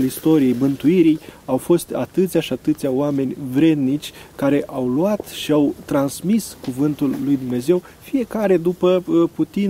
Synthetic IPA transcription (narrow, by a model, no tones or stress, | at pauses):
list̪o̞ɾije̞jmɨnt̪uiɾijawfo̞st̪a̰t̪ɨt̪sʲaʃiat̪ɨt̪sʲjaoame̞nʲvɾe̞d̪nit͡ʃʲkaɾe̞ʔawluat̪ʃiawt̪ɾansmiskuvɨnt̪ulːujd̪umne̞ze̞w | fije̞kaɾe̞d̪upəput̪i